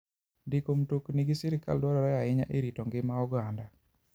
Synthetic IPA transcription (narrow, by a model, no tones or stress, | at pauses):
dɪkomtokniɡɪsɪɾɪka̰ldwɔɾɔɾɛjaɪɲa̰ʔeɾitɔŋɡɪmaɔɡanda